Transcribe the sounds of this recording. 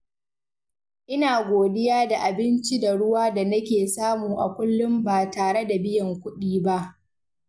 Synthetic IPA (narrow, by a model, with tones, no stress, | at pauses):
ʔɪ˦naː˨ɡʷoː˨dɪ˦jaː˦da˨ʔa˨bɪ˦nt͡ʃi˦da˨ɽʊ˦waː˦da˨nɐ˦kʲeː˨saː˦muː˨ʔa̰˨kʷʊ˦lːʊ˦mbaː˨taː˨ɽe˦da˨bɪ˦jɐ˨ŋkʷʊ˦ɗiː˦ba˦ʔ